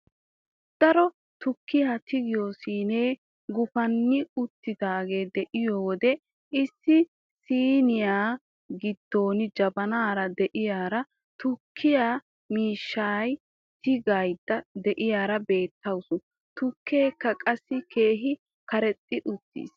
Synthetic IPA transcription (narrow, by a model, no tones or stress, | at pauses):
d̪̥ɐɾɔ | t̪ʊkːɪjaːt̪ɪɡɪjoːsiːneː | ɡʊfɐnːɪʊt̪ːɪd̪aːɡe̞ːd̪ɛʔɪjowɔd̪ɛ | ʔɪsːɪ | siːnɪjaː | ɡɪd̪̥ːo̞ːnɪd͡ʒɐbɐnaːɾɐd̪ɛʔɪjaːɾɐ | t̪ʊkʰːɪjaː | miːʃːaːj | t̪ɪɡajd̪ɐd̪ɛʔɪjaːɾɐbe̞ːt̪ʰːɐwsʊ | t̪ʊkʰːe̞ːkːɐkʼɐsːɪkʰe̞ːɦɪ | kɐɾɛt̪ʼːɪʔʊt̪ːḭːs